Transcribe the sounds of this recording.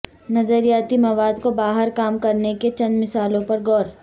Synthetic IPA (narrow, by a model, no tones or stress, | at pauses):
nɐzəɾijaːt̪imɐʋaːd̪kobaːɦəɾkaːmkɐɾneket͡ʃɐ̃nmɪsaːlõpɐɾɡɔːɾ